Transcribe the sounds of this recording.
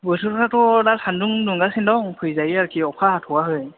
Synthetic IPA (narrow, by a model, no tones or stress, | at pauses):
bojsʰukʰɔtʰatɔdasanduŋduŋɡasindɔŋpʰujzajiaɹkʰiɔkʰatʰʊwaɦoj